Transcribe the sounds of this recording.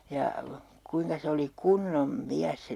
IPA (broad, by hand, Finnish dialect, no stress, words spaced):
jɑ kuiŋkɑ se oli kunːom miæs se